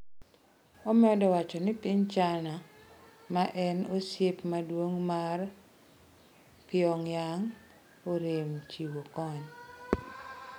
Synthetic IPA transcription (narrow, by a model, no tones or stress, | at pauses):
omɛɔdɔwat͡ʃɔnɪpɪɲt͡ʃanamaʔɛnosjepmadwoŋmar | pɪɔŋjaŋ | oɾemt͡ʃiwokɔɲ